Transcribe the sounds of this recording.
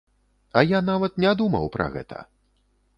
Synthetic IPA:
ɐjanavɐt̪̚nʲad̪umɐwpɾʔɐ̰ɣɛ̰t̪ʰɐ̰

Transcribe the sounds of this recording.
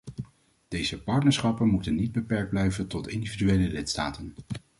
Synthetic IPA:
d̥ejzəpɑɹtnəɹsχɑpənmutənːid̚bəpɛɹɡ̚d̚blɛjvəntɔtɪndividyejləlɪtsta̰ːtən

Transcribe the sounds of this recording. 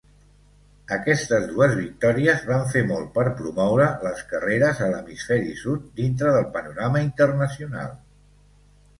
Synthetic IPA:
əkɛst̪əzðuəzβik̚t̪ɔɾiəzβaɱfemɔlˠpəɾpɾumɔwɾələskəreɾəzələmisfɛɾḭsut̪̚d̪int̪ɾəðəlˠpənuɾaməint̪ərnəsiuna̰lˠ

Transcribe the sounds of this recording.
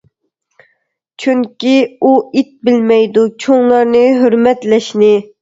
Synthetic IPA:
t͡ʃʰyŋkʲiuit̪̚bɪlmɛjd̪ut͡ʃʰoŋlˠɑɾnɨɦøɾmɛt̪lɛʃnɪ

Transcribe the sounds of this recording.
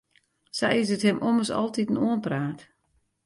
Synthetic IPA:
sɛjɪs̬əthɪmʔoməsɔ̰lˠtitən̩oənpraːt

